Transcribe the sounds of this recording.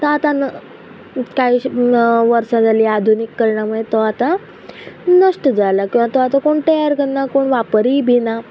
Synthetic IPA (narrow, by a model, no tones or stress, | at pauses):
t̪əat̪an | kaɦiʋəɾsãd͡zaliːad̪ʱunikːəɾɳjaməet̪ɔat̪a | nəʂʈəd͡zajlakĩw̃ʋat̪ɔʋat̪ãkoɳʈəjəɾkənːakoɳʋapəɾiːbʱina